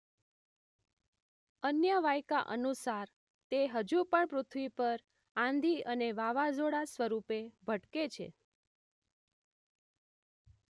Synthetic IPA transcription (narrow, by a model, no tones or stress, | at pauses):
ənjəʋajkaʔə̰nusaɾ | t̪eɦəd͡ʒupəɳpɾʊt̪ʰʋipəɾ | ãnd̪ʱiəneʋaʋad͡ʒoɽasʋəɾupebʱəʈket͡ʃʰḛ